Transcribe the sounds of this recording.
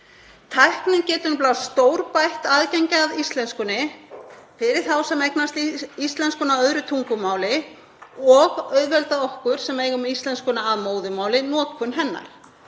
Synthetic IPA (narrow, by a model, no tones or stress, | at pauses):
t̪ʰajhknɪncɛːt̪ʏnplawst̪oːwɾpajht̪aːðcɛɲcaːðist̪lɛnskʏnːɪ | fɪɾɪɾ̥θawsɛmɛjknast̪ist̪lɛnskʏnaœðɾʏt̪ʰuŋkʏmaːwlɪ | ɔɣœɥðvɛlt̪aɔhkʏɾ̥sɛmejɣʏmist̪lɛnskʏnaːðmoːwðʏmaːwlɪnɔːt̪̚kʰʏnɦɛnːa̰ɾ̥